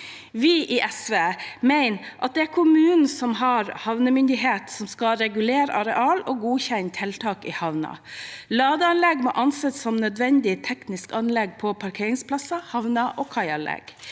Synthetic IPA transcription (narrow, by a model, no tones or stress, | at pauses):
ʋɪʔiʔɛsʋeːmæɪnʔɑt̪̚d̪ɛæɾkʰʊmʉːnn̩sɔmɦɑːɾhɑʋnəmʏnd̪ɪɦeːt̪sɔmskɑɾɛɡʉleːɾə̰ʔɑɾɛʔɑːloːɡuːçɛnt̪ʰɛlt̪ʰɑːkɪhɑʋnɑ̰lɑːd̪əɑnlɛɡmo̰ːʔɑnsɛt̪sɔmnœd̪ʋɛnd̪ɪt̪ʰɛknɪskɑnlɛɡ̚pʰɔpʰɑɾkʰeːɾɪŋspʰlɑsɑhɑʋnɑʔoːkʰɑɪɑnlɛ̰ɡ̥